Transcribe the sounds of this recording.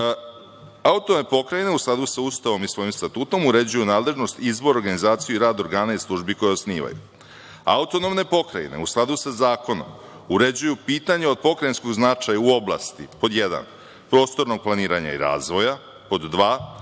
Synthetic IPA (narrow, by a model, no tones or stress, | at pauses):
aut̪omnepo̞kɾajineusklˠad̪usaust̪aʋo̞misʋo̞jimst̪at̪uːt̪o̞muɾe̞d͡ʑujunaːd̪lˠeʒno̞st̪izbo̞ɾoɾɡanizaːt̪sijuiɾaːd̪o̞ɾɡaːnaislˠuʒbikojeosniːʋa̰jṵ | a̰ut̪o̞no̞mne̞po̞kɾa̰ḭne̞̰usklˠad̪usazaːko̞no̞̰m | uɾe̞d͡ʑujupiːt̪aɲeo̞d̪̚po̞kɾajinsko̞ɡznat͡ʃajauo̞bla̰ːst̪ipo̞d̪jed̪a̰n | pɾo̞ːst̪o̞ɾno̞ɡ̚plˠaniːɾaɲa̰ḭɾa̰ːzʋo̞ja | po̞d̪ːʋaː